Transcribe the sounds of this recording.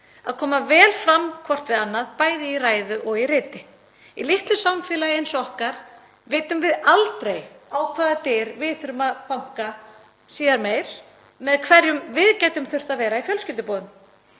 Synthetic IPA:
aðkʰɔːmavɛːlfɾamkʰvɔr̥t̪vɪðanːaðpaːjðɪiraːjðʏʔɔɣirɪːt̪ɪ | ilɪht̪lʏsamfɛːlajejnsɔɔhkaɾ̥ | vɪːt̪ʏmvɪðalt̪ɾejaːwkʰvaːðat̪ɪːɾvɪðθʏɾʏmaðpawŋ̥ka | siːðaɾmeːjɾ̥ | mɛðkʰvɛɾjʏmvɪðcajt̪ʏmθʏr̥t̪avɛːɾaifjœlscɪlt̪ɪpɔːðʏm

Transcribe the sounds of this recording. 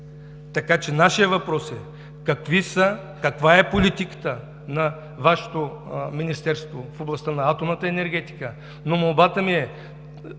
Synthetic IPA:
t̪ɐkat͡ʃɛnaʃiəvɐpɾɔsɛ | kɐkvisə | kɐkvaɛpolit̪ikə̥t̪ə | nɐ | vaʃɛ̥t̪o | minist̪ɛɾst̪vofoblˠɐst̪anɐat̪omnət̪əɛnɛɾɡ̟ɛt̪i̥kə | nomolˠbat̪əmiɛ

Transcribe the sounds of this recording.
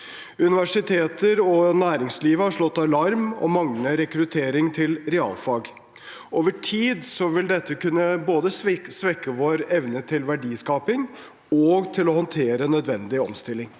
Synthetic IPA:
ʉnɪʋæʂɪt̪ʰeːt̪əɾɔnæːɾɪŋsliːʋəhɑʂlɔt̪ːɑlɑɾmɔ̰mɑŋnəɾɛkɾʉt̪ʰeːɾɪŋt̪ʰɪlɾɛɑ̰ːlfɑːɡ | oːʋəʈʰiːd̪sɔʋɪld̪ɛt̪ʰːəkʉnːəboːd̪əsʋɛkːəʋoːɾɛʋnət̪ʰɪlʋæɖiːskɑːpɪŋ | ɔɡt̪ʰɪlɔhɔnt̪ʰeːɾənœd̪ʋɛnd̪ɪɔ̰mst̪ɪlːɪŋ

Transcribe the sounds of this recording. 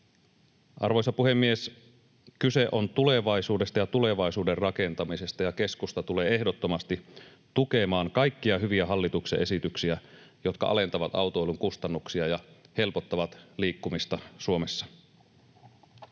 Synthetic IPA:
ʔɑ̰rʋo̞jsɑpuhe̞mːies | kyse̞ʔo̞nt̪ule̞ʋɑjsuːde̞st̪ɑjɑt̪ule̞ʋɑjsuːde̞rrɑke̞nt̪ɑmise̞st̪ɑjɑke̞skust̪ɑt̪ule̞ːe̞hdot̪ːo̞mɑst̪i | t̪uke̞mɑːŋkɑjkːiɑɦyʋiæɦɑlːit̪ukseʔe̞sit̪yksiæ | jo̞t̪kɑ̰ʔɑ̰le̞nt̪ɑʋɑt̪ɑ̰wt̪oeluŋkust̪ɑnːuksiɑjɑhe̞lpo̞t̪ːɑʋɑt̪liːkːumist̪ɑsuo̞me̞sːɑ̥

